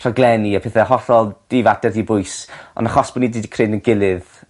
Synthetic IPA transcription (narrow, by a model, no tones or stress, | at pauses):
raɡlˠɛniapʰɛθɛhɔθɔlˠd̥ɪvadɛrðibʊjsɔ̰nəχɔsb̥ɔnidiːdikʰreːnənɡɪlˠɨð